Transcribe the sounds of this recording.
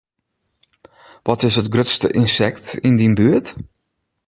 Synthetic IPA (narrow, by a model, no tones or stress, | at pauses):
ʋɔtɪsətɡrøtstə̰ʔɪnsɛktindinbyət